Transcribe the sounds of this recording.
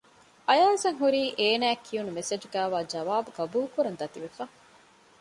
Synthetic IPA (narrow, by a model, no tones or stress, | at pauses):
ʔɐjaːzɐŋɦuɾiːʔeːnæːkʰːijunumesed͡ʒuɡæːʋaːd͡ʒɐʋaːbuɡɐbuːkuɾɐnd̪ɐt̪iʋefa